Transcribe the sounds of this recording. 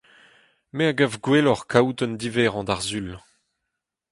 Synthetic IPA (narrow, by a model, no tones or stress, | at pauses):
meaɡavɡwɛlɔʁkʰawt̪ɔnd̪ivɛːʁɑ̃d̪aʁzyl